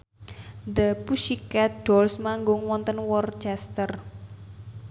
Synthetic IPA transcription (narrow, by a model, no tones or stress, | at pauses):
d̪əpuʃikɛɖ̥ɔlsmaŋɡʊŋwɔnt̪ənwɔrt͡ʃɛst̪ər